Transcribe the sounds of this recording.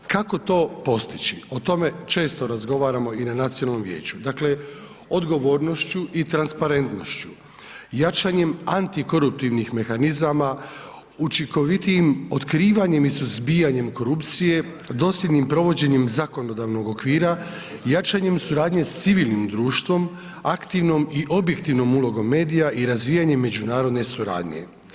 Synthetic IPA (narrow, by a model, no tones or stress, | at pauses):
kako̞t̪o̞ːpo̞st̪it͡ɕio̞t̪o̞me̞t͡ʃe̞ːst̪o̞ɾazɡo̞ʋaːɾamo̞inanat̪sionalno̞mʋjeːt͡ɕud̪akle̞ | o̞d̪ɡo̞ʋo̞ːɾno̞ʃt͡ɕuʔit̪ɾanspaɾe̞nt̪no̞̰ʃt͡ɕu̥ | jat͡ʃaɲe̞mant̪iko̞ɾup̚t̪iʋnixme̞xanizama | ut͡ʃiŋko̞ʋit̪iimo̞t̪kɾiːʋaɲe̞misuzbiːjaɲe̞mko̞ɾupt̪sije̞ | d̪o̞ːsljʲed̪nimpɾo̞ʋo̞d͡ʑe̞ɲe̞mzako̞nod̪aːʋno̞ɡo̞kʋiːɾa | jat͡ʃaɲe̞msuɾaːd̪ɲe̞st̪siʋiːlˠnimd̪ɾuːʃt̪ʋo̞m | akt̪iʋno̞miʔo̞bje̞kt̪iʋno̞mulo̞ɡo̞mːe̞ːd̪ijaʔiɾazʋiːjaɲe̞mːe̞d͡ʑunaːɾo̞d̪ne̞suɾa̰ːd̪ɲe̞̰